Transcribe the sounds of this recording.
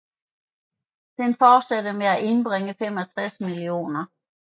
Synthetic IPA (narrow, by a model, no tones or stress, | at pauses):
d̥enfɒ̥ːsæd̥əmeæʔe̝nb̥ʁeŋəfem̰ɒ̽t͡sʰʁasmilio̝̰ːnɐ